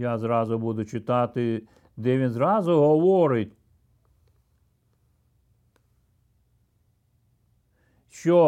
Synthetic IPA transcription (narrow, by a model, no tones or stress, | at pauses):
jazɾɑzʊbud̪ʊt͡ʃɪt̪ɑt̪ɪ | d̪ɛʋʲinzɾɑzʊɦɔʋɔɾɪtʲ | ʃt͡ʃɔ